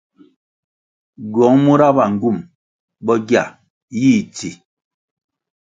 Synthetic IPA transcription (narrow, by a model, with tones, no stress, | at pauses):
ɡɔ˨˦ŋmu˦ɾa˦ba˨ŋ̩˨ɡu˦˨m | bɔ˦ɡja̰˨ | jiː˦˨ti˨